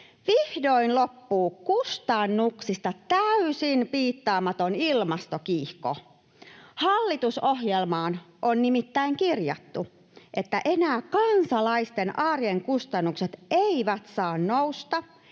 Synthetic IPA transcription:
ʋihdoinlopːuːkust̪ɑnːuksist̪ɑt̪æysinpiːt̪ːɑːmɑt̪onilmɑst̪okiːhko̰ | hɑlːit̪uso̞ɦjelmɑːn | ʔonnimit̪ːæiŋkirjɑ̰t̪ːu | ʔe̞t̪ːæʔe̞næːkɑnsɑlɑist̪enʔɑːrjeŋkust̪ɑnːukset̪eiʋæt̪sɑːnnoust̪ɑ

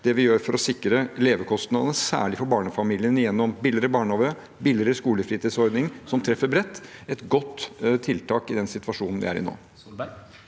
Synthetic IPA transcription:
d̪ɛʋɪjøːɾfɔɾɔsɪkːɾəleːʋəkʰɔst̪nɑnsæ̰ːɭɪfɔɾbɑːɳəfɑmiːlɪənɪjɛnːɔmbɪlɪɾəbɑːɳoːʋə | bɪlɪɾəskuːləfɾiːt̪iːd̪sɔɾd̪nɪŋsɔmt̪ʰɾɛfːəɾbɾɛt̪ːɛt̪ɡɔt̪ːt̪ʰːɪlt̪ʰɑːkɪd̪ɛnsɪt̪ʋɑʂuːnn̩ʋɪ̰æ̰ɾɪ̰no̰ː

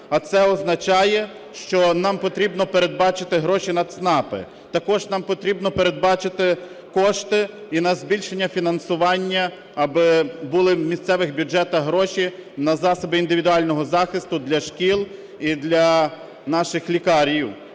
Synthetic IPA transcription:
ɐt̪sɛɔznɐt͡ʃɑjɛ | ʃt͡ʃɔnɑmpɔt̪ɾʲibnɔpeɾe̞d̪̚bɑt͡ʃɪt̪ɪɦɾɔʃʲinɐd̪snɑpɪ̰ | t̪ɐkɔʒnɑmpɔt̪ɾʲibnɔpeɾe̞d̪̚bɑt͡ʃɪt̪ɪ | kɔʃt̪ɪinɐzbʲilʲʃenʲːɐfʲinɐnsʊʋɑnʲːɐ | ɐbɪbulˠɪmʲist̪sɛʋɪxbʲʊd͡ʒɛt̪ɐɦɾɔʃʲinɐzɑsɔbɪind̪ɪʋʲid̪ʊɑlʲnɔɦɔzɑxɪst̪ʊd̪lʲɐʃkʲilˠ | id̪lʲɐ | nɑʃɪxlʲikɑɾʲjiw

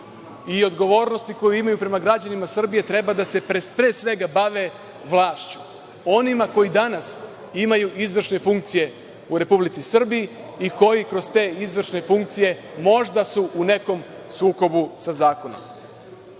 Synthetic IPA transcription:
io̞d̪ɡo̞ʋo̞ːɾno̞st̪iko̞juimajupɾe̞maɡɾad͡ʑanimasr̩bije̞t̪ɾe̞bad̪ase̞pɾepɾe̞ːsʋe̞ɡabaʋe̞ | ʋlˠaːʃt͡ʃu̥ | o̞nimako̞jid̪anas | imajuʔizʋr̩ʃne̞fuŋk̚t̪sije̞ | uɾe̞publit̪sisr̩biji | iko̞jikɾo̞zt̪e̞ːizʋr̩ʃne̞fuŋk̚t̪sije̞mo̞ʒd̪asuune̞ko̞m | suːko̞busazaːko̞no̞̰m

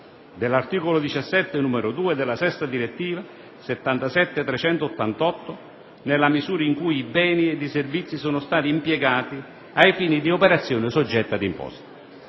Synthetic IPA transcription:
d̪elːart̪iːkolod̪it͡ʃasːɛt̪ːɪnumeɾʊd̪uːed̪ɪlːasɛst̪ad̪iɾet̪ːiːva | set̪ːant̪asɛt̪ːet̪ɾɛt͡ʃɛnt̪oːt̪ːant̪ɔt̪ːʊ | nelːamizuːɾaiŋkujːbɛːnied̪iservit̪sːisoːnʊst̪aːt̪iːmpjɛɡaːt̪i | ajfiːnid̪iopeɾat̪sːjoːnɪsod͡ʒːɛt̪ːad̪impɔ̰st̪ḁ

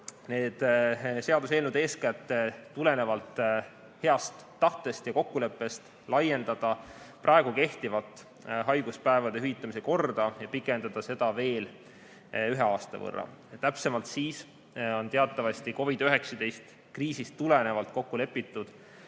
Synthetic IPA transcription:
ne̞ːd̪̥se̞ɑd̪use̞ːlnud̪e̞ːskæt̪ːˑet̪ːule̞ne̞vɑlt̪ | he̞ɑst̪ːɑht̪e̞st̪jɑko̞kːule̞pˑːe̞st̪ | lɑje̞nd̪̥ɑd̪̥ɑprʔɑeɡ̥uke̞ht̪ivɑlt̪ˑ | ɦɑjɡ̥uspæevɑd̪e̞ɦyit̪ːˑɑmiseko̞rd̪̥ɑjɑpikːˑe̞nd̪̥ɑd̪̥ɑse̞d̪̥ɑve̞ːl | yɦe̞ɑːst̪ɑ̰vɤ̰rːɑ̰ | t̪æpse̞mɑlt̪siːs | o̞nt̪eɑt̪ːˑɑvɑst̪iko̞vid̪̥øɦe̞ksɑd̪e̞jst̪ | kriːsist̪ːule̞ne̞vɑlt̪̚ko̞kːule̞pːˑit̪ːˑud̪̥

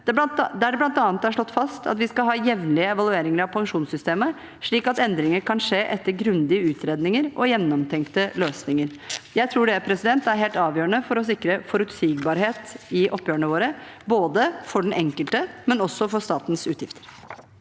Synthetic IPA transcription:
d̪ɛt̪d̪ɛæɖɛblɑnt̪ɑːnt̪ːæʂɭɔt̪ːfɑst̪ʰɑ̰t̪ʋɪskɑlɦɑːjɛʋnlɪəɛʋɑlˠʉeːɾɪŋəɾɑʋpʰɑŋʂuːnsʏst̪eːmə | ʂɭiːkɑt̪ɛnd̪ɾɪŋəɾkʰɑnʂeːʔɛt̪ːəɾɡɾʉnd̪ɪəʉːt̪ʰɾeːd̪nɪŋəɾɔjɛnːɔmt̪ʰɛŋkt̪əløːsnɪŋəɾjæɪt̪ʰɾuːɖɛpʰɾɛsɪd̪ɛnt̪æɾɦeːlt̪ɑːʋjøːɾəɳəfɔɾɔs̬ɪkːɾəfɔɾʉt̪siːɡbɑːɾheːt̪ɪʔɔpːjøːəɳəʋoːɾə | boːd̪əfɔɖɛnʔɛŋkəlt̪əmɛnɔsɔfɔʂt̪ɑːt̪n̩sʉːt̪jɪft̪ʰə̥ɾ

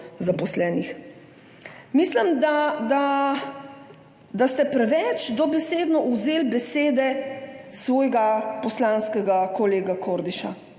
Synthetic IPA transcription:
zapɔslɛːnix | mislimd̪ad̪a | d̪ast̪ɛpɾɛʋɛt͡ʃd̪ɔbɛseːd̪nɔuzeːlbɛseːd̪ɛsʋɔːjɡapɔslaːnskɛɡakɔleːɡakoɾd̪iʃa̰

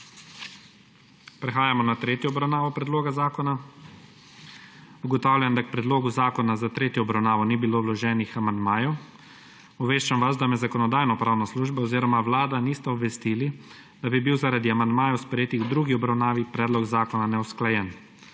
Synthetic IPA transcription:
pɾɛxaːjamɔnat̪ɾeːt̪jɔːbɾawnaːʋɔpɾɛd̪loːɡazaːkɔna | uɡɔt̪aːwlʲjand̪ak̚pɾɛd̪loːɡuzaːkɔnazat̪ɾeːt̪jɔːbɾawnaːʋɔnibiloːwlɔʒɛːnixamand̪maːjɔw | ɔʋeːʃt͡ʃamʋazd̪amɛzakɔnɔd̪aːjnɔpɾaːwnasluːʒbaɔziːɾɔmawlaːd̪aniːst̪ɛɔbʋɛst̪iːli | d̪̥abibiwzaɾad̪iamand̪maːjɛwspɾɛjeːt̪iɡd̪ɾuːɡiɔbɾawnaːʋipɾɛːd̪lɔɡzaːkɔnanɛwsklajɛn

